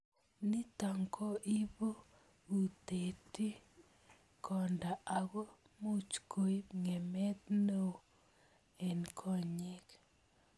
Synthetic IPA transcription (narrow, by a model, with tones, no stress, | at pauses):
ni˦ta˨ŋkʰɔ˦ʔi˦bo˦ | u˨t̪e˨ti˦ | kʰɔ˨nda˨a˨ɣo˦ | mo˦t͡ʃkʰo˨i˦ŋe˨mɛ˦t̪no˦ | e˨nkʰɔ˦ɲi˦k